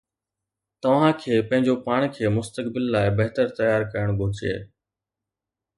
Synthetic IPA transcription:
t̪ɐʋ̤ãːkʰeːpɐ̃ɦɪ̃ɲd͡ʑopaːɽ̃kʰeːmʊst̪əkbɪlːaːɪbɐɦt̪əɾt̪ɐjaːɾkɐjəɽ̃ɡʱʊːt͡ɕḛː

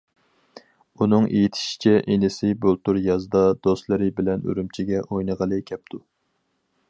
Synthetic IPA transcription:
unɨŋḛjit̪ʰɪ̥ʃi̥t͡ʃʰɛʔenɪsɪbolˠt̪uɾjɑzd̪ɑd̪ost̪lˠɨɾɪbɪlɛnø̰ɾymt͡ʃʰiɡʲɛʔojnəʁəlˠɨkʲʰɛp̚t̪ʰu

